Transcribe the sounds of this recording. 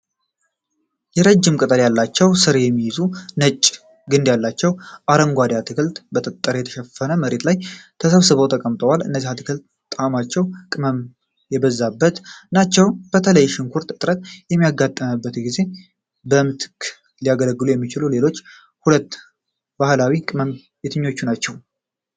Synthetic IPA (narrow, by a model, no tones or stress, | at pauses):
jɛɾəd͡ʒːɪmkʼɨt̪ʼəɾjalːat͡ʃːɛwsɨɾjɛmːijɪzunət͡ʃʼː | ɡɨnd̪jalːat͡ʃːɛwʔaɾəŋɡʷad̪at̪ʰɨkʰɨlt̪bət̪ʼət̪ʼːəɾjɛt̪ʰə̥ʃɛfːənəməɾe̞t̪lajt̪ʰəsəβsɨβot̪ʰəkʼəmt̪ʼəwalɨ̰nːəzːihat̪ʰɨkʰɨlt̪ | t̪ʼamat͡ʃːɛwkʼɨməm | jɛbəzːabːət̪nat͡ʃːɛwb̥ət̪ʰələjːʃɪŋkʰuɾt̪ɨt̪ʼɾət̪jɛmːijaɡːat̪ʼːəmɨbːət̪ɡize̞ | bəmt̪ʰɨ̥kʰ | lijaɡələɡːɨlujɛmːit͡ʃɪlule̞lo̞t͡ʃː | hulət̪ː | b̥ahlawikʼɨməm | jet̪ʰɨɲːo̞t͡ʃːunat͡ʃːɛw